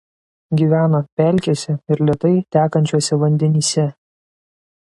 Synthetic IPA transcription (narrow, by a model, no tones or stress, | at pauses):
ɡʲiːʋʲæːnopʲɛˑlʲkʲoːsʲɛɪɾlʲiɛt̪ɐɪt̪ʲæːkɐnʲt͡ʃʲuɔsʲɛʋɐnʲd̪ʲɛnʲiːsʲɛ